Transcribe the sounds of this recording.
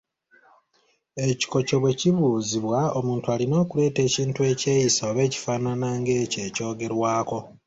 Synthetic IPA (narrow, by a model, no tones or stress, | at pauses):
e̞ci̥ko̞co̞βwe̞ciβuːziβwao̞muːntualino̞ːkule̞ːte̞ːciːntue̞ːce̞ːjisoːβe̞ːci̥faːnanaŋɡe̞ːce̞ːco̞ːɡe̞ɾwaːko̞